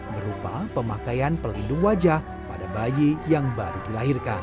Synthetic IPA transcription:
bəɾupapəmakajanpəlindʊŋwad͡ʒah | padabajijaŋbaɾudilaɦirkan

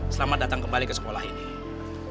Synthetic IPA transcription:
səlamat̪̚dat̪aŋkəmbalikəsə̥kolahini

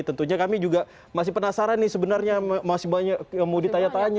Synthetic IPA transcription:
t̪ənt̪uɲakamid͡ʒuɡa | masɪhpənasaɾanːɪsəbənarɲamasɪhbaɲakjaŋmodit̪ajat̪aɲ

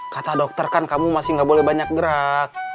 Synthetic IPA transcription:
kat̪adɔk̚t̪ərkankamumasɪŋɡabolɛhbaɲak̚ɡəɾak̚

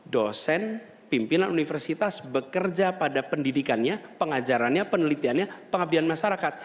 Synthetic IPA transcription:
dosɛn | pimpinanunifərsit̪asbəkərd͡ʒapadapəndidikanɲapəŋad͡ʒaɾanɲapənəlit̪ianɲapəŋab̚dianmaʃaɾakat̪̚

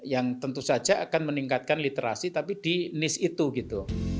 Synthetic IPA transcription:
jaŋt̪ənt̪usad̥d͡ʒ̥aakanməniŋkat̪̚kanlit̪eɾʔa̰sit̪apid̥inɪsit̪uɡit̪u

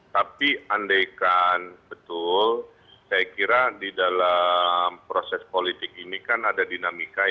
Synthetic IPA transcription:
t̪apiandajkanbət̪ʊl | sajakiɾadidalampɾosɛspolit̪ɪk̚inikanadadinamika

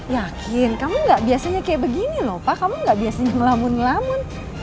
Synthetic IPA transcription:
jakʰɪnkamuŋɡaʔbiasaɲakajaʔbəɡinilɔpakamuŋɡaʔbiasaɲaŋəlamʊnlamʊn

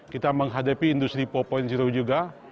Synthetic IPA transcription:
kit̪aməŋɦadapiːndust̪ɾipɔpɔinsiɾowd͡ʒuɡa

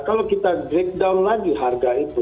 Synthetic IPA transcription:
kəlokɪt̪aɖɾek̚ɖaʊnlaːɡiɦaɾɡaib

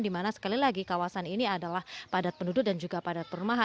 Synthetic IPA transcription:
ndimanasə̥kalilaɡikawasaniniadalahpadat̪̚pəndudʊt̪̚dand͡ʒuɡapadat̪̚pəɾumaɦa

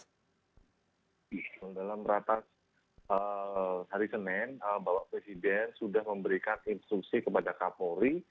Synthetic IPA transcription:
dalamɾat̪as | əhaɾisənɛnəbawaʔpɾesidɛnsudahməmbəɾikaninst̪ɾuksikəpadakapoɾi

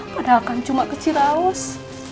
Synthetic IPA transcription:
kədakant͡ʃumakət͡ʃiɾaʊs

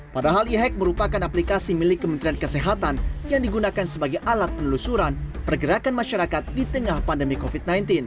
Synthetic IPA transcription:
padaɦaliɦɛk̚məɾupakanaplikasimilɪkːəmənt̪ɾiankəseɦat̪anjaŋdiɡunakansəbaɡajʔalat̪̚pənəlusuɾanpərɡəɾakanmaʃaɾakat̪̚dit̪əŋahpandəmikofit̪̚najnt̪ɪn

